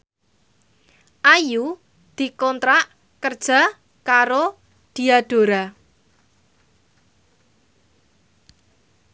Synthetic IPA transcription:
ʔaju | d̪̥i̤kɔnt̪ɾaʔ | kərd̥ʒ̥a̤ | kaɾo | d̪̥i̤aɖ̥o̤ɾa

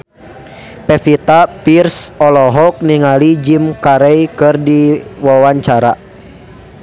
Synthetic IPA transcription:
pɛfit̪apirsɔlɔɦɔk̚niŋalid͡ʒimkaɾɛjkɨrdiwawaɲt͡ʃaɾa̰

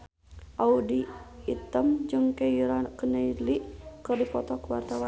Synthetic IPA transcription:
ʔaudiːt̪əmd͡ʒɨŋkeiɾakənəiliʔkərdipɔt̪ɔkəwart̪awa

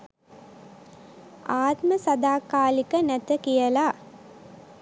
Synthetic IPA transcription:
aːt̪məsad̪aːkaːlikənæt̪əkijəlaː

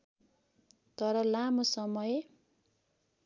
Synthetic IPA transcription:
t̪ʌɾʌlamosʌmʌj

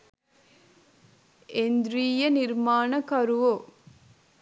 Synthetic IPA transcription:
end̪ɾiːjɐniɾmaːnɐkɐɾuʋo

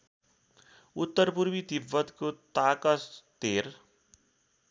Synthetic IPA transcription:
ut̪ːʌrpurmid̪ibːʌt̪kot̪akʌst̪er

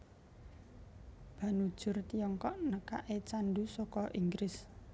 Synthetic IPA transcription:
b̥ä̤nud̥ʒ̥ʊ̤rt̪ijɔŋkɔʔnəkaʔet͡ʃanɖusɔkɔʔiŋɡɾɪs

